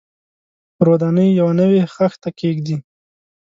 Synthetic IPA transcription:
ɾod̪anəjːawanəwexaxt̪akeɡd̪i

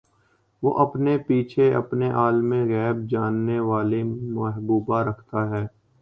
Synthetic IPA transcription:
ʋoːʔɐpnepiːt͡ʃʰeɐpneʔaːlmẽɣɛːb̚d͡ʒaːnːeʋaːlemɐɦbuːbaɾɐkʰt̪aɦɛː

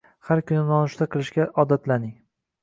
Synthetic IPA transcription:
haɾkʰʊnɪnɒnʊʃt̪aqʰɨlˠɪʃkʲaʔɒd̪at̪lanɪŋ

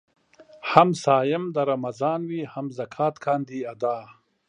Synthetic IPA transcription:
hamsaːjɪmd̪ɐɾɐmɐzɑːnwiːhɐmzɐkʰaːt̪kʰaːnd̪iːɐd̪aː

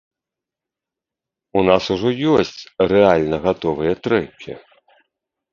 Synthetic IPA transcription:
unasuʐɔjɔsʲt͡sʲrɛalʲnɐɣat̪ɔvɨjɐt̪ɾɛkʲʰḭ

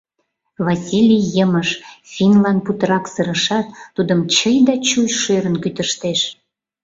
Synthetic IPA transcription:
vɑsʲilʲijjəməʃfʲinlɑn̚put̪əɾɑksəɾəʃɑt̪ːud̪əmt͡ɕəjd̪ɑt͡ɕujʃøɾənkyt̪əʃt̪eʃ

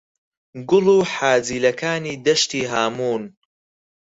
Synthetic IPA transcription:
ɡʊluːħaːd͡ziːlɐkaːniːd̪ɐʃt̪iːɦaːmuːn

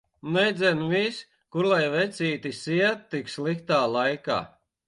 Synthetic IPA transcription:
nɛjd̪zʲɛnvis | kuɾlˠajvɛt̪sʲiːt̪isiɛt̪ːikslˠikt̪aːlˠajka̰ː

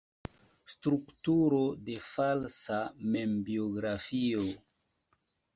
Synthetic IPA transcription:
stɾuktuɾode̞falsame̞mbioɡɾafio

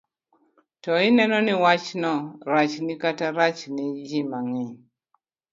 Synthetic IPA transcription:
tɔɪnɛnɔnɪwat͡ʃnɔɾat͡ʃnɪkataɾat͡ʃnɪd͡ʒɪmaŋɛɲ

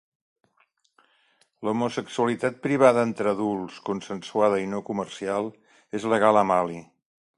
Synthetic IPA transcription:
lumusəksuəlit̪at̪̚pɾiβ̞aðəent̪ɾəðulˠskunsənsuaðəinokumərsialˠ | ezləɣ̞aləmali

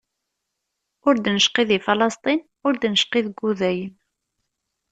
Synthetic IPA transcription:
ʊɾd̪nəʃqiðifɑlɑst̪ˤin | ʊɾd̪nəʃqiðɡuðæjən

